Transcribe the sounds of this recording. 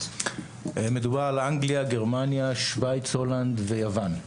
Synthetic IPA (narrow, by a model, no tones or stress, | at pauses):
eme̞dubaʁalʔaŋɡliaɡe̞ʁmanjaʃvajt͡sho̞land̪ve̞javan